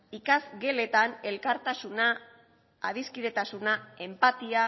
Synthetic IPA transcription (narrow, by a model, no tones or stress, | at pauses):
ikazɡe̞le̞t̪ane̞lkaɾt̪asunaː | ðiskiðe̞t̪asunae̞mpat̪ia